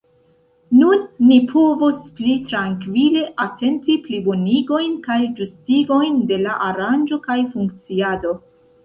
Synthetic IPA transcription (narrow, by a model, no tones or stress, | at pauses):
nunːipʰo̞vusplitɾaŋkvile̞ʔatʰe̞ntipliboniɡo̞jnkajd͡ʒustiɡo̞jnde̞laʔaɾand͡ʒo̞kajfuŋk̚t͡siado̞